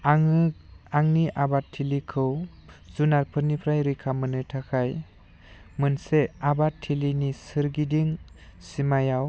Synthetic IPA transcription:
aŋniʔabatʰːilikʰɯw | zunaɾpʰɯɾnipʰɾajɾikʰamɯnɯtʰakʰaj | mɯnseabatʰːilinisɯɾɡidiŋ | simajaw

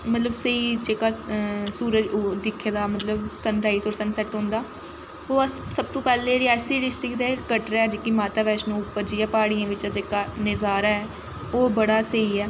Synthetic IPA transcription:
mət̪ləbsəiːd͡ʒeːkaːsuːɾəd͡ʒd̪ɪkʰːeːd̪aːmət̪ləbsənɾaːisoːɾsənsɛʈɦõːnd̪aː | oːəssəb̚t̪õːpɛːlẽːɾɪaːsiːɖɪsʈɾɪkt̪ɛːkəʈɾːɛːd͡ʒeːkimaːt̪aːʋɛːʃnũːʊpːəɾd͡ʒiːãːpaːɽijãːʋɪt͡ʃːd͡ʒeːkaːnɪzaːɾaɛː | oːbəɽaːsəiːɛː

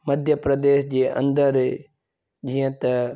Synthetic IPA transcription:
mɐd̪ʱjəpɾɐd̪eːʃd͡ʑeːʔɐ̰̃nd̪əɾ | d͡ʒijə̃t̪ɐ

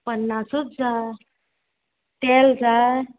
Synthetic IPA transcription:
pənːasut͡sd͡za | t̪ɛld͡za

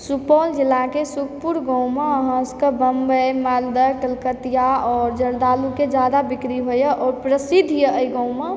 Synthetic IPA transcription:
supɔld͡ʒilːakesukʰpuɾɡɔ̃w̃meəɦə̃skəbəmbəjmald̪əʈəlkət̪ijaɔːɾd͡ʒəɾd̪aluked͡ʒad̪abikɾiɦojəʔɔːɾpɾəsid̪ʱjəəjɡɔ̃w̃me

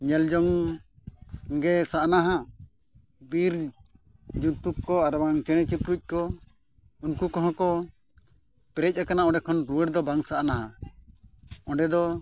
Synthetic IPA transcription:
ɲɛld͡ʒɔŋ | ɡɛsaʔnaɦa | biɾ | d͡ʒut̪uk̚kɔaɾbaŋt͡ʃɛɽ̃ɛt͡ʃipɾuc̚ˀkɔ | unkukɔɦɔ̃kɔ | pɛɾɛc̚akanaɔ̃ɖɛkʰɔnɾuwɛɾd̪ɔbaŋsaʔnaɦa | ɔ̃ɳɖɛd̪ɔ

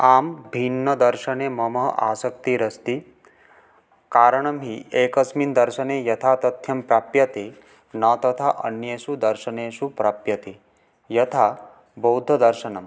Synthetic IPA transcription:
aːmbʱinːɐd̪ɐɾʃɐneːmɐmɐɦɐ̰ʔa̰ːsɐk̚t̪iɾɐst̪i | kaːɾɐɳɐmɦieːkɐsmind̪ɐɾʃɐneːjɐt̪ʰaːt̪ɐt̪ʰjɐmpɾaːpjɐt̪e | nɐt̪ɐt̪ʰaʔɐ̰njeːʃud̪ɐɾʃɐneːʃupɾaːpjɐt̪e | jɐt̪ʰaː | bɐwd̪ʱɐd̪ɐɾʃɐnɐm

